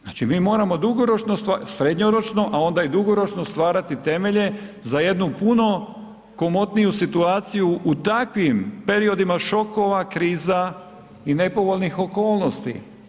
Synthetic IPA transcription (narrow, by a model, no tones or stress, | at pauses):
za̰ːt͡ʃimiːmo̞ːɾamo̞d̪uɡo̞ɾo̞t͡ʃnost̪asɾe̞d̪ɲoɾo̞t͡ʃno̞ʔao̞nd̪aid̪uɡo̞ɾo̞t͡ʃno̞st̪ʋaːɾat̪it̪e̞me̞ʎe̞zaje̞d̪nupuno̞ | ko̞mo̞t̪nijusit̪uaːt̪sijuʔːt̪akʋimpe̞ɾio̞d̪imaʃo̞ko̞ʋakɾiːza | ine̞po̞ʋoʎnixo̞ko̞ːlˠno̞st̪ḭ